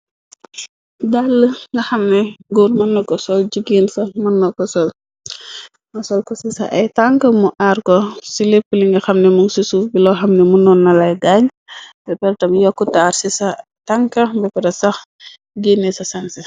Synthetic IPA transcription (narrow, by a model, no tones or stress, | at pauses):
dalːəŋɡɐxɐmnɛɡuːrmɐnːɔkɔsɔld͡ʒiɡiːnsɐmɐnːɔkɔsɔl | mɐsɔlkɔsisɐ̰ʔɐjtaŋkɐmuʔaɾkɔsilepːəliŋɡɐxɐmnɛmuŋsisubilɔxɐmnɛmunɔnːɐlɐjɡaɲ | bɛpɛɾtɐmjɔkːutaːɾsisɐ | taŋkɐbɛpɛɾɐsɐx | ɡenːisɐsɐnsɐ